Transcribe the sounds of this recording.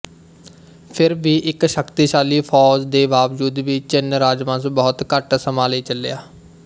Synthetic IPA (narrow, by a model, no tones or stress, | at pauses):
pʰɪɾbiːʔɪkʃəkt̪iːʃaːliːpʰɔːd͡ʒd̪eːʋaːʋd͡ʒuːd̪biːt͡ʃɪnɾaːd͡ʒmãːsbɔːt̪kəʈsəmaːliːt͡ʃəlḛaː